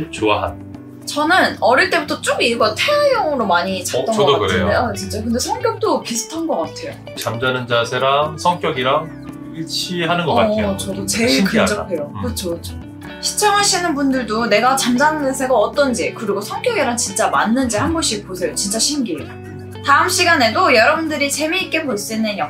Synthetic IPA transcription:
t͡ɕoaɦa̰n | t͡ɕʌnɯnʌɾiɭt͈e̞butʰʌt͡ɕ͈oɡiɭɡʌtʰeejʌŋɯɾomaɲit͡ɕat͈ʌŋakɯɾejdejot͡ɕint͡ɕ͈akɯnde̞sʰʌŋkjʌk̚t͈opisʰu̥tʰanɡʌk͈atʰe̞jo̰ | t͡ɕamd͡ʑanɯnd͡ʑasʰeɾamsʰʌŋkjʌɡiɾaŋ | iɭt͡ɕʰiɦanɯnɡʌkaet͡ɕʌdot͡ɕe̞ɭkɯd͡ʑʌɡatʰejokɯt͡ɕʰokɯt͡ɕʰo̥ | ɕʰi̥t͡ɕʰʌŋɦaɕʰinɯnbundɯɭdone̞ɡat͡ɕamd͡ʑanɯnɯnsʰeɡaʌt͈ʌnd͡ʑikɯɾiɡosʰʌŋk͈jʌɡiɾaŋt͡ɕint͡ɕ͈ama̰nːɯnd͡ʑihanɡoɕʰiposʰe̞jot͡ɕint͡ɕ͈aɕʰinɡi | taɯmɕ͈iɡane̞dojʌɾʌbundɯɾit͡ɕe̞miːk͈e̞poɭs͈inɯnjʌ

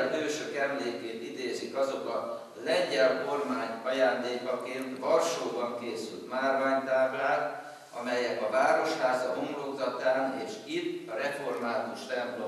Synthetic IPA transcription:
lbøːʃøkɛmleːkeːt̪id̪eːzikɒzo̞kɒ | lɛɲɟɛlko̞rmaːɲɒjaːnd̪eːkɒkeːnt̪vɒrʃoːbɒŋkeːsy̰lt̪maːrvaːɲt̪aːblaːt̪ | ɒmɛjɛkɒvaːɾo̞ʃhaːzɒɦomloɡzɒt̪aːneːʃit̪ːɒɾɛfo̞rmaːt̪uʃt̪ɛmplo

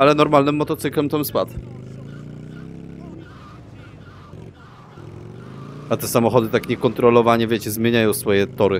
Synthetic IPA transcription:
alɛnɔɾmalnɘmːɔt̪ɔt̪sɘklɛmt̪amspat̪ | at̪ɛsamɔxɔd̪ɘt̪akɲɛkɔnt̪ɾɔlɔvaɲɛvʲjet͡ɕɛzmʲjeɲajɔ̃w̃sfɔjɛt̪ɔɾɘ

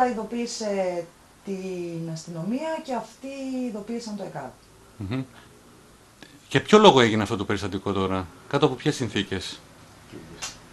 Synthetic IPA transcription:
ɐiðo̞piːse̞ | t̪inɐst̪ino̞miɐce̞ɐft̪iːðo̞piːsɐnt̪oekɐ̰t | m̩ | cepço̞lo̞ɣoe̞ʝineɐft̪o̞t̪ope̞ɾist̪ɐt̪iko̞t̪o̞ɾɐkɐt̪oɐpo̞pçe̞sːinθice̞s | cḭɾs

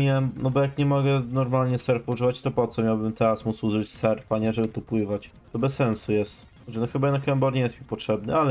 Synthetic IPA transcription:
iɛmnɔbɔjakɲɛmɔɡɛnɔɾmalɲɛsɛɾfɔuʐɨvat͡ɕt̪ɔpɔt̪sɔmʲjawbɘmt̪ɛɾasmut̪suzut͡ɕʲsɛɾfaɲɛʐɛbɘt̪ɔpwɘvat͡ɕ | t̪ɔbɛsːɛnsujɛst̪ | xɔt͡ɕʲɛnɔxɘbajɛd̪akɛmbɔɾɲɛjɛst̪mʲipɔtʂɛbnɘ̰alɛ

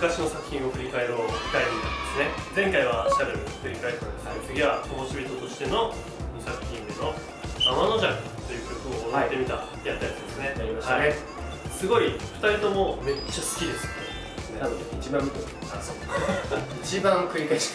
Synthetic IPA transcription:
ɯ̟kaɕino̞sakɯ̟̥çĩɰ̃o̞kɯ̟ɾʲikae̞ɾoːki̥k̪aemit̪ad̪esɨne̞zẽ̞ŋkaiβaɕaɾeɾɯkɯ̟ɾʲikaeɾad̪eskʲoɡʲiβat̪oboɕibʲit̪o̞t̪o̞ɕi̥t̪e̞no̞ | nosakɯ̟̥çʲĩneno̞ | amano̞ʑakɯt̪o̞jɯ̟ːkʲo̞kɯ̟oat̪ːe̞mʲit̪a | jat̪ːat̪d̪esneaimaa | sɨɡo̞iɸɯ̥t̪aɾʲit̪o̞mo̞me̞t͡ɕasɨ̥kʲid̪e̞sɨ̥ne | nanoit͡ɕibãm | aso | it͡ɕibãŋkɯ̟ɾʲikaeɕi̥

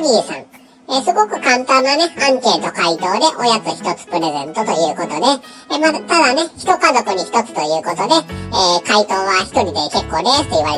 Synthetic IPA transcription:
ɡʲiːsã̰ŋ | esɨɡo̞kɯ̟kãnt̪ãnːane̞ãŋke̞ːt̪o̞kait̪o̞ːd̪e̞ʔo̞jat͡sɨçi̥t̪o̞t͡sɨ̥pɯ̟ɾe̞zẽ̞̰nt̪o̞t̪o̞jɯ̟ːkot̪o̞d̪e̞ | mat̪ad̪ane̞çi̥t̪o̞kazo̞kɯ̟ɲ̟içi̥t̪o̞t͡sɨ̥t̪o̞jɯ̟ːko̞t̪od̪eeːkait̪o̞ːβaçi̥t̪o̞ɾʲid̪e̞ke̞kːo̞ːd̪e̥t̪ːoiβaɾe

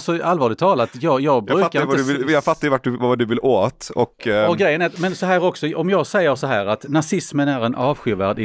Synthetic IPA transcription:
lsɔalvɑːɭɪt̪ʰɑːlat̪jɑːjɑːɡbɾʉːkaɾɪndjɑːɡfat̪ːaɾvaʈ̚d̪ɵvad̪ɵvɪlʔoːt̪ɔkɔɡɾɛjːənɛmɛnsɔɦæːɾɔksɔɔmjɑːɡsɛjːəɾsɔɦæːɾat̪nasɪsmənæɾɛnʔɑːvɧʏːvæːɖɪ

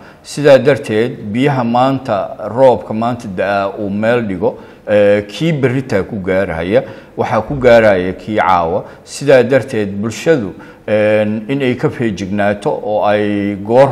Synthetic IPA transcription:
sɪðaːd̪ɐrt̪ʰɛːd̪̚bɪjɐɦɐmaːnt̪ʰɐrɔːbkʰɐmaːnt̪ʰɐd̪ɐʔɐuːmɛːlɖɪɣɔ | ɛːkʰiːbɪrɪt̪ʰɐkʰʊɡaːɾɐhɐ̰jɐ | wɑħɑkʰʊɡaːɾɐhɐjɐkʰiːʕɑ̰ːwɐ | sɪðaːd̪ɐrt̪ʰɛːd̪̚bʊlʃɐðʊ | ɛːnɪnɛjkʰɐfɛːt͡ʃɪɡnaːt̪ʰɔʔɔːɛjɡɔːr

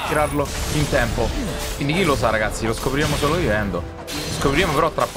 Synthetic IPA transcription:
t̪iɾarloint̪ɛmpokwind̪ikilos̬aɾaɡat̪sːiloskopɾiɾaːmosoːlovivɛnd̪o | skopɾiɾeːmopeɾɔt̪ːɾapː

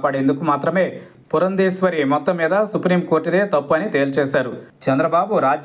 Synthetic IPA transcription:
pɐɽend̪ukumaːt̪ɾɐme̞ː | puɾɐnd̪iːsʋɐɾimɔt̪ːɐmːiːd̪ɐsupɾiːmko̞ːɾʈid̪e̞ːt̪ɐpːuɐnit̪eːlt͡ʃɛːʃaːɾut͡ʃɛnd̪ɾɐbaːbuɾaːd͡ʒ

